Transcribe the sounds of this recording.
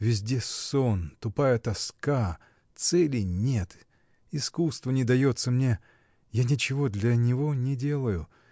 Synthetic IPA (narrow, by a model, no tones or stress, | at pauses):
vʲɪzʲdʲe̞sont̪ʊpajət̪ɐska | t̪sɛlʲɪnʲe̞t̪ | ɪskust̪vənʲɪd̪ɐjo̞t̪səmnʲe̞ | janʲɪt͡ɕɪvo̞d̪lʲɐnʲɪvo̞nʲɪdʲe̞lˠəjʊ